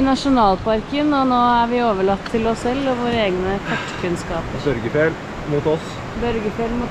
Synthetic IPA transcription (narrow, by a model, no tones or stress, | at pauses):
nɑʂʊnɑːlpʰɑɾkənɔnoːæɾʋɪoːʋəɭɑt̪ːʰɪlɔsːɛlːɔʋoːɾəeːɡnəkʰɑʈːkʰʉnskɑːpbœɾɡəfeːl | mut̪ɔs | bœɾɡəfeːlmʊːt̪